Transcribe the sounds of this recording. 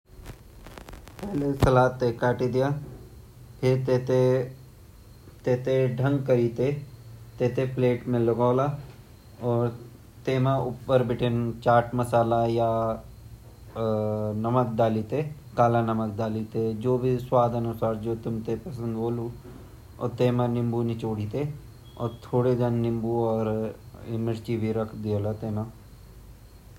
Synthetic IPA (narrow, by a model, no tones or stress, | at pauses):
pɛɦlesɐlaːt̪ːekaːʈid̪ijaː | pʰɪɾet̪e | t̪eːt̪eɖʱə̃ŋɡkɐɾiːt̪et̪eːt̪epleːʈmẽlɐɡaːlaː | ɔːɾ | t̪eːmãʔʊpːəɾbɪʈʰent͡ʃaːɾʈmɐsaːlaja | nɐmək̚d̪aːlit̪e | kaːlanɐmək̚d̪aːlit̪ed͡ʒoːbʱiswaːd̪ɐnʊsaːɾd͡ʒoːt̪ʊmt̪epɐsə̃nd̪boːlu | ɔ̰t̪eːmãnɪmbunit͡ʃoːɽiːt̪e | ɔ̰ːɾt̪ʰoːɽeɡ̪ɐnːɪ̃mbuɔːɾ | ɪməɾt͡ʃibʱiɾɐkʰd̪ioːlat̪eːnãː